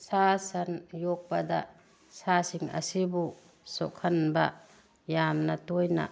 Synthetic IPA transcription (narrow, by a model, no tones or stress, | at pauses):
sasɐnjɔk̚bad̪a | sasiŋɐ̰sibu | sɔ̰kʰɐnba̰ | jamnatujna̰